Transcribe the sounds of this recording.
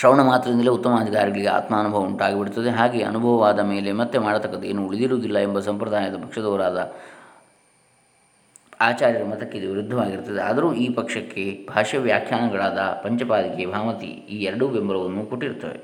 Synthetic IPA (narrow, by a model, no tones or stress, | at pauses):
ʃɾɐwɳɐmaːt̪ɾɐd̪ind̪ɐleut̪ːɐmaːd̪iɡaːɾiɡɐɭiɡea̰ːt̪maːnubʱɐʋɐuɳʈaːɡibiɽut̪ːɐd̪eɦaːɡe̞ɐ̰nubʱɐʋɐʋaːd̪ɐme̞ːle̞mɐt̪ːemaːɽɐt̪ɐkːɐd̪eeːnuuɭid̪iɾuːd̪ilːɐembɐsɐmpɾɐd̪ʱaːjɐd̪ɐpɐkʂɐd̪ɔːɾaːd̪ɐ | aːt͡ʃaːɾjɐɾɐmɐt̪ɐkːeid̪uʋiɾud̪ʱːɐʋaːɡiɾt̪ːɐd̪eɐ̰d̪ɐɾuːiːpɐkʂɐkːe̞bʱaːʂɐʋjaːkʰjaːɳɐɡɐɭaːd̪ɐpɐɲt͡ʃɐpaːd̪ikebʱaːmɐt̪ḭ | iːɛɾɐɽubembɐɾɐʋɐnːuko̞ʈːiɾt̪ːɐʋḛ